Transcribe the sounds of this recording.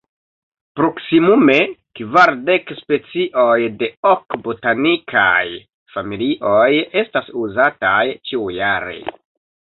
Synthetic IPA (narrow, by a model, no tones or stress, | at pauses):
pɾo̞ksimume̞kvaɾde̞kspe̞t͡siʔo̞jde̞okbo̞tanikʰa̰j | familiʔoje̞stasuzatajt͡ʃiujaɾe̞̰